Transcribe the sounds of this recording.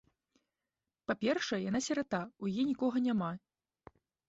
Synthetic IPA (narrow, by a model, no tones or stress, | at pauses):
papʲɛrʂɐɛjanasʲɛɾat̪aujajɛnʲikɔɣɐnʲama